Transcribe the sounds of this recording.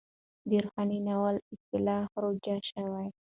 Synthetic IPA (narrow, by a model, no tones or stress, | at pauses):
d̪iɾxɑninawalɪt̪ɪlɑfɾoɡaʃawaj